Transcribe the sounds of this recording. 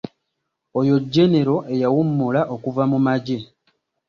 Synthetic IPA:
ojo̞ɟːe̞ne̞ɾo̞ʔe̞jawumːulaʔo̞kuvamumaɟe

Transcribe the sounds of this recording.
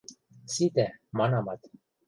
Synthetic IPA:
sid̪emɑnɑmɑt̪

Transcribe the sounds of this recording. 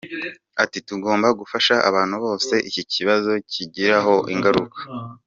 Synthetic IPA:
atituɡo̞ːmbaɡufaʃaʔa̰βaːnhuβo̞ːse̞ʔiciciβazo̞ciɟiɾaɦo̞ʔiŋɡaɾukḁ

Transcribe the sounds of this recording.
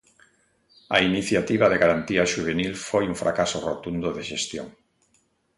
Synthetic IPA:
a̰iniθjat̪iβ̞aðeɣaɾant̪iaʃuβ̞enilfojuɱfɾakasorot̪und̪oðeʃest̪jo̰ŋ

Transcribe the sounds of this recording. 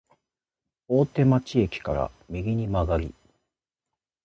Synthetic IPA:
oːt̪e̞mat͡ɕie̞kʲi̥kaɾa̰ | mʲiɡʲiɲ̟imaɡaɾʲḭ

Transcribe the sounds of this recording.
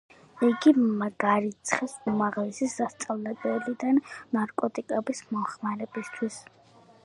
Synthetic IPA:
iɡimɡaɾit̪sʰχisumaʁlɛsisːast̪sʼavlɛbɛlid̪annaɾkʼɔt̪ʼikʼɛbismɔχmaɾɛbist̪ʰwis

